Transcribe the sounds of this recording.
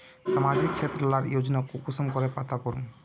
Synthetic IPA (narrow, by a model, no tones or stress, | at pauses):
ʃamad͡ʑik̚t͡ɕʰet̪ːɾɔlaɾjod͡ʑnakukusomkoɾepat̪ʰakoɾṵn